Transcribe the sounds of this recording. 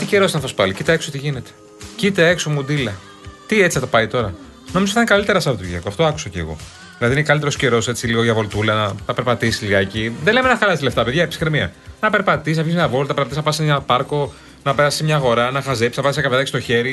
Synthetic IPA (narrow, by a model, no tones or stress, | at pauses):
t̪ice̞ɾo̞st̪nfɐspɐlicit̪ɐekso̞t̪iʝine̞t̪e̥ | cit̪eekso̞mud̪ilɐ | t̪iet͡si̥θɐt̪opɐit̪o̞ɾɐ | nomizoθit̪anekɐlit̪e̞ɾɐsɐvot̪ʝiɐkoɐft̪o̞ɐku̥sɐcḛːɣo̞̰ | ðilɐðinkɐlit̪eɾo̞sce̞ɾo̞se̞t͡siliɣo̞ʝɐvo̞lt̪ulɐnɐt̪ɐpe̞ɾpɐt̪isi̥liɣɐeciðelemenɐxɐlɐsile̞ft̪ɐpeðʝɐepi̥skɾemiɐ̰nɐpe̞ɾpɐt̪isisnɐvʝismɲɐvo̞lt̪ɐpeɾpɐt̪isnɐpɐseɲɐpɐɾko̞ | nɐpeɾɐsismɲɐːɣo̞ɾɐnɐxɐze̞psisnɐpɐsɐkɐveðɐkist̪o̞çe̞ɾi